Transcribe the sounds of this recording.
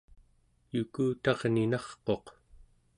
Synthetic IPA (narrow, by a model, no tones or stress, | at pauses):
jukuːt̪ɑʁninɑχqo̞q